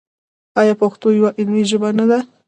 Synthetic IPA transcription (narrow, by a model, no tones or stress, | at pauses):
ɑjɑpaxt̪ojawaʔɪnwiʒəbanad̪a